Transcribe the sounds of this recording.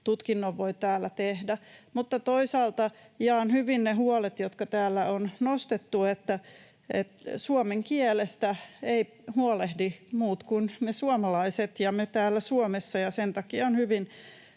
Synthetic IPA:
t̪ut̪kinːoʋʋoit̪æːlːæt̪ehdæmut̪ːɑt̪oisɑːlt̪ɑ | iɑːˑnhyʋinneɦuɔlet̪jot̪kɑt̪æːlːæonnost̪et̪ːuet̪ːæ | ḛt̪suomeŋkielest̪æei | huɔlehdimuːt̪kunnesuɑmɑlɑiset̪jɑmet̪æːlːæsuomesːɑjɑsent̪ɑkiɑonhyʋin

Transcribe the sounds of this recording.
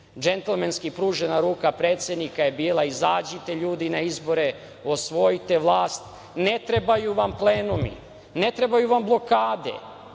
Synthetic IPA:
d͡ʒent̪elmenskipɾuːʒenaɾuːkapɾe̞ːt̪sje̞d̪nikajebiːlˠaizaːd͡ʑit̪e̞ʎuːd̪inaizbo̞ɾe̞ | o̞sʋo̞jit̪e̞ʋlˠaːst̪ | net̪ɾe̞bajuʋample̞ːnumḭ | ne̞t̪ɾe̞bajuʋamblˠo̞kaːd̪e̞̰

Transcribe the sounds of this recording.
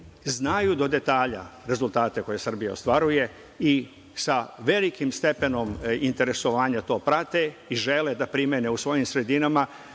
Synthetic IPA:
znajud̪o̞d̪e̞t̪aːʎa̰ɾe̞zult̪aːt̪e̞ko̞je̞sr̩bija̰o̞st̪ʋaɾuje̞ | i | saʋe̞likimst̪e̞pe̞no̞mint̪e̞ɾe̞so̞ʋaːɲat̪o̞ːpɾat̪eiʒe̞led̪apɾimjeneusʋo̞jimsɾe̞d̪inama

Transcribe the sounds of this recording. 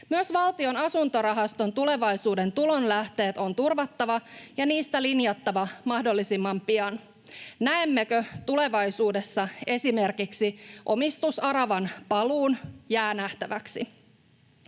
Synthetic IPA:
myøsʋɑlt̪io̞nɑsunt̪o̞ɾɑɦɑst̪o̞nt̪ule̞ʋɑisuːde̞nt̪ulo̞nlæht̪e̞ːt̪o̞nt̪urʋɑt̪ːɑʋɑjɑniːst̪ælinjɑt̪ːɑʋɑmɑhdo̞lːisimːɑmpiɑn | næemːekøt̪ule̞ʋɑjsuːde̞sːɑe̞sime̞rkiksiʔo̞mist̪usɑɾɑʋɑnpɑluːnjæːnæht̪æʋæksi

